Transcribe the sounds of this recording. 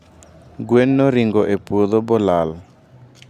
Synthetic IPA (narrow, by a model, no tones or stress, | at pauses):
ɡwenːɔɾiŋɡɔʔepwod̪obɔlal